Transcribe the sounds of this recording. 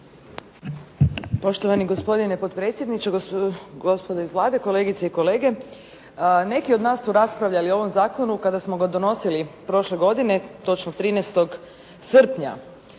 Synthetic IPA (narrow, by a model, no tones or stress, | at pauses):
po̞ʃt̪o̞ʋaniɡo̞spo̞d̪inepo̞t̪pɾe̞ːt̪sjed̪nit͡ʃeɡospod̪oizʋlˠaːd̪e̞ko̞le̞ːɡit̪seiko̞le̞ːɡe̞ | ne̞kio̞d̪naːsːuɾaspɾaʋʎalioo̞ʋo̞mzaːko̞nukad̪asmo̞ɡad̪o̞no̞silipɾo̞ʃle̞ɡo̞d̪ine̞t̪o̞t͡ʃnot̪ɾiːnɛst̪o̞ɡ | sr̩pɲa̰